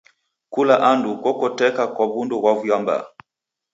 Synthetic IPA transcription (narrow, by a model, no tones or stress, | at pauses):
kulaʔandukɔkɔtɛkakwaβundɔɣwavujamba̰